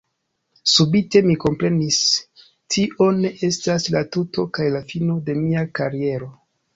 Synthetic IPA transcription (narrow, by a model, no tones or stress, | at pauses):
subite̞miko̞mpɾe̞nis | tʰiʔo̞ne̞ʔe̞staslatutʰo̞kajlafino̞de̞miakaɾie̞ɾo̞